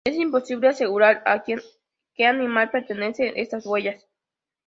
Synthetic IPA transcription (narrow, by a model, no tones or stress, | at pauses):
esimpo̞siβlease̞ɣuɾaɾakjen | keanĩmalpeɾt̪ene̞seʔest̪azwwe̞ʝas